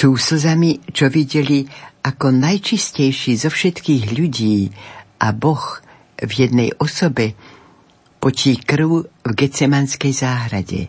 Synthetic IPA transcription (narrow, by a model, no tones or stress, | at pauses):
suːsl̩zamit͡ʃɔʋiɟɛliʔakɔnajt͡ʃiscɛjʃiːzɔfʃɛt̪kiːɣʎuɟiːʔabɔx | vjɛd̪nɛjɔsɔbɛ | pɔcikɾuʊvɡɛt͡sɛmanskɛjzaːɦɾaɟɛ̰